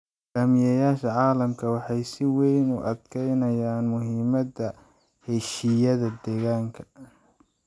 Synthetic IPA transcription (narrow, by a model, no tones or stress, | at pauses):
ɡaːmɪjɐjaːʃɐʕɑːlɐmkʰɐwɑħɑjsɪwɛjnʊ̰ʔɐd̪kʰɛjnɐjaːnmʊɦiːmɐdɐ | hɛʃijɐðɐd̪ɛːɣaːŋkʰɐ̥